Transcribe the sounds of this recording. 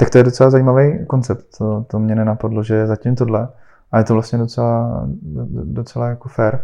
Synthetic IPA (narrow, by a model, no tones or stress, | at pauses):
t̪ak̚t̪o̞jɛdo̞t͡sɛlazajiːmavejko̞nt͡sɛp̚t̪ːot̪omɲɛnɛnapadloʒɛzacimt̪o̞dlɛ | ʔajɛt̪ovlastɲɛdot͡sɛla | dot͡sɛlajakofɛɾ